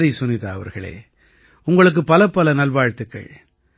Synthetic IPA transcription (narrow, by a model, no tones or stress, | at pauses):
ɾisʊnɪðaːɐʋɐ̰ɾɣɐɭḛː | ʊŋɡɐɭɯk̬ːɯpɐlɐpːɐlɐnɐlʋaːɻt̪ːɯkːɐ̰ɭ